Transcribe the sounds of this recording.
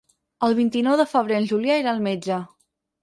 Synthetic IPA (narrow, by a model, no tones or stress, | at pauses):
əlˠβint̪inɔwðəfəβ̞ɾeənʲʒuljaeɾaːlˠmed͡ʒə